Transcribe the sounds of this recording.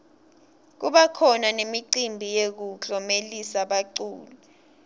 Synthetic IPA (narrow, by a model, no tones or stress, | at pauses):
k̬uɓakʰɔnanemiǀimbʱijek̬uɬɔmelisaɓaǀṵːlu